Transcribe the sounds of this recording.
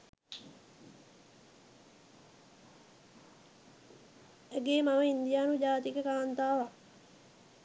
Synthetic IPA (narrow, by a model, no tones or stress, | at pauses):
eɡeːmaməind̪ijaːnud͡ʒaːt̪iɡekaːnt̪aːʋa